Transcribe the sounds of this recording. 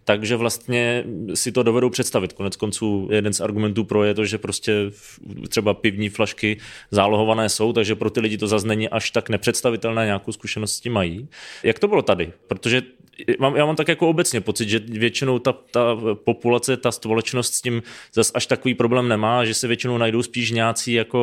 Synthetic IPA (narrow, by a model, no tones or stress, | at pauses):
t̪aɡʒɛvlast̪ɲɛsɪt̪o̞dovɛdo̞wpr̝̥ɛt̪st̪avɪt̪konɛt͡sko̞nt͡suːjɛdɛnsʔaɾɡumɛnt̪uːpɾojɛt̪oʒɛpɾo̞scɛ | t̪r̝̥ɛbapɪvɲiːflaʃkɪzaːloɦo̞vanɛːso̞wt̪aɡʒɛpɾot̪ɪlɪɟɪt̪o̞zasnɛɲɪʔaʃt̪aknɛpr̝̥ɛt̪st̪avɪt̪ɛlnɛːɲaːkowskuʃɛnost̪scɪmːajiːjakt̪obɪlo̞t̪adɪpɾot̪o̞ʒɛ | maːmjaːmamt̪akjako̞obɛtt͡sɲɛpo̞t͡sɪt̪ʒɛvjɛt͡ʃɪno̞wt̪at̪apo̞pulat͡sɛt̪aspolɛt͡ʃnost̪scɪmzasʔaʃt̪akoviːpɾo̞blɛːmnɛmaːʒɛsɛvjɛt͡ʃɪnownajdo̞wspiːʃ̬ɲaːt͡siːjako̞